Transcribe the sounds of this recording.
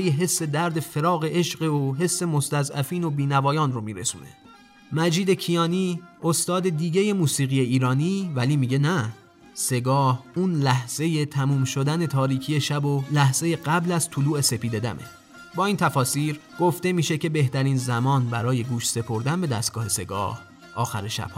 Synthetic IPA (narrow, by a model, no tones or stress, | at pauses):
jeɦe̞sːe̞d̪æɾd̪e̞fe̞ɾɒːɣe̞ʔe̞ʃɢeoɦe̞sːe̞mo̞st̪æzæfiːno̞biːnævɒːjɒːnromiːɾḛsṵːne̞̰ | mæd͡ʒiːd̪e̞cʰijɒːniːost̪ɒːd̪e̞d̪iːɟe̞je̞muːsiːɣije̞iːɾɒːniːvæliːmiːɟe̞næ | se̞ɡɒːhuːnlæhz̥e̞je̞t̪ʰæmuːmʃo̞d̪æne̞t̪ʰɒːɾiːcʰije̞ʃæbolæhz̥e̞je̞ɢæblæzt̪ʰuluːe̞se̞piːd̪e̞d̪æ̰mʔe̞̰ | bɒːiːnt̪ʰæfɒːsiːɾɡ̥o̞ft̪e̞miːʃe̞cʰe̞be̞ht̪æɾiːnzæmɒːnbæɾɒːje̞ɡuːʃse̞pʰo̞ɾd̪ænbe̞d̪æst̪̚ɡɒːhe̞se̞ɡɒ̰ːh | ʔɒːxæ̰ɾeʃæ̰b̥h